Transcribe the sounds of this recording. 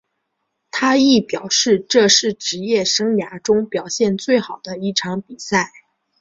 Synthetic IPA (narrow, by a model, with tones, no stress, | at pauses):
t̪ʰa˥i˥˩pjɑ˨˩ʊʂɻ̩˥˧ʈ͡ʂɤ˥˧ʂɻ̩˥˩ʈ͡ʂɻ̩˧˥jɛ˥˩ʂɤ˥ŋja˧˥ʈ͡ʂʊ˥ŋpjɑ˨˩ʊɕjɛ˥˧nt͡swe˥˩ɪxɑ˨˩ʊd̪ə˦i˥˩ʈ͡ʂʰɑ˧˥ŋpi˨˩sa˥˩ɪ